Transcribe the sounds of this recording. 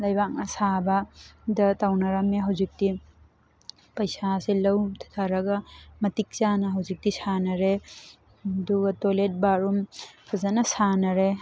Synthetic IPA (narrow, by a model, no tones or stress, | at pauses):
lɐjbak̚nɐsabadɐtawnɐɾameɦɐwzik̚ti | pɐjsaselɐwtʰḁt̪ʰaɾɐɡɐmɐtik̚t͡ʃanɐɦɐwzik̚tisanɐɾe | duɡɐtolet̚baɾumpʰɐzanɐsanɐɾe